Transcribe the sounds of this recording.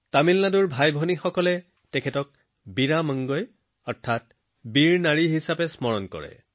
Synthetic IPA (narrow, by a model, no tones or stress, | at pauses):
tamilnaduɹbʱajbʱɔnixɔkɔlɛ | tɛkʰɛtɔk̚ | biɹamaŋɡɔj | ɔɹtʰat̚ | biɹnaɹiɦisapɛsmɔɹɔnkɔ̰ɹɛ̰